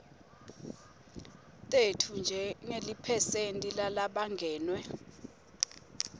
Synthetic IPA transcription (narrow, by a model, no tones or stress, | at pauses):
tʼetʰund͡ʒʱɛŋelipʰɛsentʼilalaɓaŋɡʱɛːnwɛ